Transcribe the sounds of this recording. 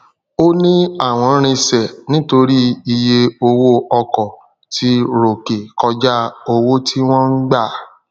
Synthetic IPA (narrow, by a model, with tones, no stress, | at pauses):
o˦nĩ˦a˦˨w̃ɔ̃˨˧˦ɾ̃ĩ˧sɛ˨nĩ˦to˧ɾi˦i˧je˧o˧wo˦ɔ˧kɔ˨ | tʰi˧ɾo˨ke˨kɔ˧d͡ʒa˦o˧wo˦tʰi˦w̃ɔ̃˦n̩˦ɡ͡ba˦˨